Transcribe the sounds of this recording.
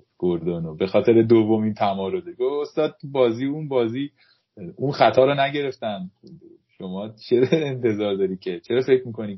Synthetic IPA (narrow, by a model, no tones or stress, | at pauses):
ɡ̥oɾd̪onobe̞xɒːt̪ʰe̞ɾed̪ovːo̞mint̪ʰæmɒːɾozeɡoost̪ɒːd̪̥̚tʰubɒːziːunbɒːziː | unxæt̪ʰɒːɾɔnæɟe̞ɾe̞ft̪ænd̪ | ʃo̞mɒːt͡ʃʰeɾent̪ʰe̞zɒːɾd̪ɒːɾi̥ːcʰet͡ʃʰeɾɒːfecʰmiːkʰo̞niː